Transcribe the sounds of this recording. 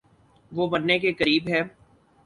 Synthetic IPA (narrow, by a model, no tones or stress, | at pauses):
ʋoːbɐnːekekɐɾiːbɦɛː